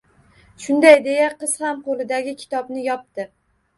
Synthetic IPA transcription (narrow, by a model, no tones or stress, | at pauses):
ʃʊnd̪ajd̪e̞jaqɨz̥hamqolɪd̪aɡʲɪkʲʰɪ̥t̪ʰɒbnɪjɒp̚t̪ɪ